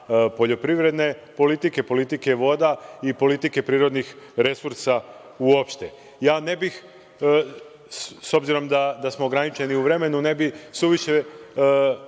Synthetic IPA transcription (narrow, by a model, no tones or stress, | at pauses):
po̞ʎo̞pɾiʋɾe̞d̪ne̞po̞lit̪ike̞po̞lit̪ike̞ʋo̞d̪aipo̞lit̪ike̞pɾiːɾo̞d̪nixɾe̞suɾsa | uo̞pʃt̪e̞ | jaːne̞bix | so̞bziɾo̞md̪ad̪asmoːɡɾanit͡ʃeniuʋɾe̞me̞nune̞bisuʋiʃe